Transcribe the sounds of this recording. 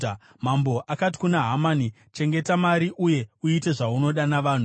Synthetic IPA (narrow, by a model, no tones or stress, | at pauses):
mambo̞ʔakati̥kunaɦamani | t͡ʃe̞ŋɡe̞tamaɾiʔuje̞uite̞ʐauno̞ɗanaʋaːn̤u